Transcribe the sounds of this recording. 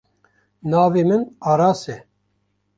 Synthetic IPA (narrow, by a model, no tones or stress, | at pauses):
nɑːveːmɨnaːɾaːsɛ